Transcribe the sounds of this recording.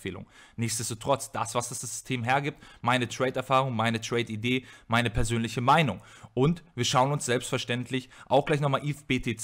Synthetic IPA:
eːlʊ̰ŋnɪçtstd̥ɛstoːtʁ̥ɔt͡sd̥asv̥asd̥asd̥asz̥ʏ̥stʰeːmɦeːɐɡiːp̚tmaɪnətʁ̥ɛɪtɛɐfaːʁʊŋmaɪnətʁ̥ɛɪtideːmaɪnəpʰɛɐzøːnlɪçəmaɪnʊŋʔʊntv̥iːɐʃaʊənʊnsz̥ɛlpstfɛɐʃtɛntʰlɪçʔaʊxɡ̥laɪçnɔχmaːlʔifb̥eːtʰeːt͡s

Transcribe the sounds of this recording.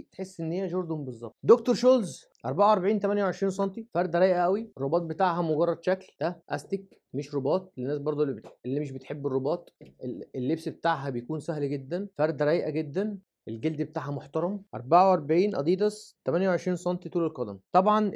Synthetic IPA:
t̪ħesːʔenːhejːæʒoɾd̪umbezˤːɑb̚t̪ˤd̪ok̚t̪oɾˤʃoːlz | ʔɑ̰ɾˤbaʕawʔɑɾˤbeʕiːnt̪æmænjwʕeʃɾiːns̬ˤɑnt̪ifæɾˤd̪ɾæjʔæʔæwirˤːobɑːt̪̚bet̪aːʕɦæmoɡɑrˤːɑd̪ʃækld̪æʔæ̰st̪ek | meʃɾobɑːt̪̚ˤenːæːsbɑɾˤd̪ˤoelːimeʃ̬bet̪ħebːerˤːobɑːt̪ˤeelːebsbet̪aːʕɦæbejkuːnsæhlɡed̪ːænfæɾˤd̪ɾˤæʔjʔæɡed̪ːæn | ʔelɡeld̪bet̪aːʕhæmoħt̪ɑɾˤɑmʔɑ̰ɾˤbaʕawʔɑɾˤbeʕiːnʔɑ̰d̪ˤiːd̪ɑst̪æmænjæwʕeʃɾiːnsɑnt̪it̪uːlelqɑd̪æmt̪ˤɑbʕɑn

